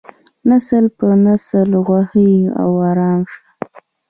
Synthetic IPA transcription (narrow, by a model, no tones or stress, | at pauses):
nasəlpənasəlɣwahəa̰waɾɑːmʂḁ